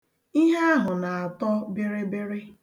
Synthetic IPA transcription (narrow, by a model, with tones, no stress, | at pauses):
i˦ɦe˦a˦ɦʊ˨na˨a˨tɔ˦be˦ɾe˦be˦ɾe˦